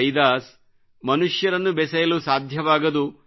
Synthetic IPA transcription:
jd̪aːs | mɐnuʂjɐɾɐnːubɛsɐjɐlusaːd̪ʱjɐʋaːɡɐd̪u

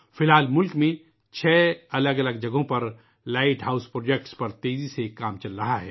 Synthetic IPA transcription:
fɪlɦaːlmʊlkmẽ | t͡ʃʰɛːɐləɡɐləɡd͡ʒɐɡõpɐɾ | laːɪʈɦaːʊspɾoːd͡ʒek̚ʈspɐɾt̪eːzisekaːmt͡ʃɐlɾɐɦaɦɛ̰ː

